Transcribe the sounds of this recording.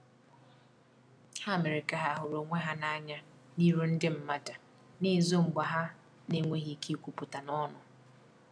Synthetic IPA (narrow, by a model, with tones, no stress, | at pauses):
ha˦˨me˨ɾɪ˨ka˨ɦa˦˨ɦʊ˨ɾo˨ŋʷe˦ɦa˦na˦ɲa˦ | ni˦ɾu˦n̩˦dɪ˦m̩˦ma˦ta˨ | ni˦˨zo˦ŋ͡m̩˨ɡ͡ba˨ɦa˦ | ne˦ŋʷe˦ɦi˦ki˦kʷu˨pʊ˨ta˨nɔ˦nʊ˨